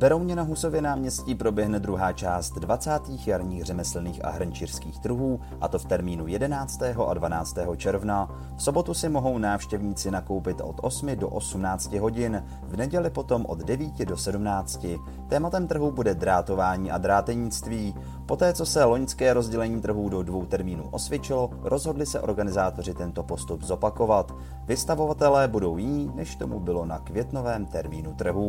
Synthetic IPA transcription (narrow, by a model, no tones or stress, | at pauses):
b̥ɛɾowɲɛnaɦuso̞vjɛnaːmɲɛsciːpɾo̞bjɛɦnɛd̪ɾuɦaːt͡ʃaːst̪dvat͡saːt̪iːxjaɾɲiːxr̝ɛmɛslɛniːxʔa̰ɦɾɲt͡ʃir̥skiːxt̪rɾuɦuː | ʔat̪o̞ft̪ɛɾmiːnujɛdɛnaːt͡st̪ɛːɦo̞ʔadvanaːt͡st̪ɛːɦo̞t͡ʃɛɾvna | fso̞bo̞t̪usɪmo̞ɦo̞wnaːfʃcɛvɲiːt͡sɪnako̞wpɪt̪ʔo̞̰t̪ʔo̞smɪdo̞̰ʔo̞sumnaːt͡scɪɦo̞ɟɪn | vnɛɟɛlɪpo̞t̪o̞mʔo̞̰d̪dɛviːcɪdo̞sɛdumnaːt͡scɪ | t̪ɛːmat̪ɛmt̪r̩ɦubudɛd̪ɾaːt̪o̞vaːɲiːʔad̪ɾaːt̪ɛɲɪt͡st̪viː | po̞t̪ɛːt͡so̞sɛlo̞ɲt͡skɛːɾo̞zɟɛlɛɲiːt̪r̩ɦuːdo̞dvo̞wt̪ɛɾmiːnṵːʔo̞svjɛt͡ʃɪlo̞ɾʔo̞zɦo̞dlɪsɛʔo̞̰ɾɡanɪzaːt̪o̞rɪt̪ɛnt̪o̞po̞st̪ubzo̞pako̞vat̪ | vɪst̪avo̞vat̪ɛlɛːbudo̞wjɪɲiːnɛʃt̪o̞mubɪlo̞na̰kvjɛt̪no̞vɛːmt̪ɛɾmiːnut̪r̩ɦu